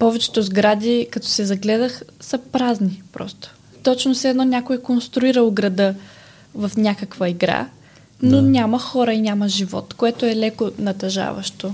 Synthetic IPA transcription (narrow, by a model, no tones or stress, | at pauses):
pɔvɛt͡ʃɛ̥t̪ozɡɾad̪ʲikɐt̪ɔ̥sɛzɐɡlɛd̪əxsəpɾaznipɾɔ̰st̪o̥ | t̪ɔt͡ʃnosɛd̪nɔnʲakoɛkonst̪ɾʊiɾəlˠɡɾɐd̪ɤ | vɐfnʲakəkvəiɡɾa̰ | nonʲamɐxɔɾəinʲaməʒivɔ̰t̪koɛt̪oɛlɛkonɐt̪ɐʒa̰vɐ̰ʃt̪o